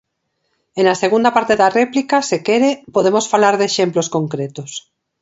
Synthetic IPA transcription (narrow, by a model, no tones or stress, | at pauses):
enaseɣ̞und̪apaɾt̪eðarɛplikasekeɾepoðemosfalaɾðeʃemploskoŋkɾet̪os